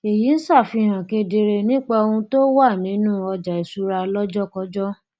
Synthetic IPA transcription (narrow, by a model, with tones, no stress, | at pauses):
e˨ji˨˦n̩˦sa˦˨fi˧˨ɾ̃ã˨ke˧de˧ɾe˧nĩ˦k͡pa˧o˧ũ˧to˦wa˦˨nĩ˨˦nũ˦ɔ˧d͡ʒa˨i˨su˨˦ɾa˧lɔ˦d͡ʒɔ˦kɔ˦d͡ʒɔ˦